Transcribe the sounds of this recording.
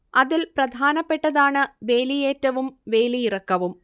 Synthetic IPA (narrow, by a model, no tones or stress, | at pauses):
ɐðilprɐd̪ʱaːnɐpːe̞ʈːɐðaːɳɨʋe̞ːlijeːtːɐʋumʋe̞ːlijirɐkːɐʋum